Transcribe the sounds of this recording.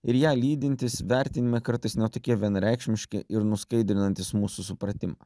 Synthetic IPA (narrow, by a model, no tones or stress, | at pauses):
ɪɾjæːlʲiːd̪ʲɪnʲt̪ʲɪsʋʲæɾʲt̪ʲɪnʲɪmʲɛkɐɾt̪ɐɪsnʲɛt̪oːkʲiɛʋʲiɛnɾʲɛˑɪkʃʲmʲɪʃʲkʲɪ̰ʔɪɾnʊskɐɪd̪ʲɾʲɪnɐnʲt̪ʲɪsmuːsusʊpɾɐt̪ʲɪmɑ̰ː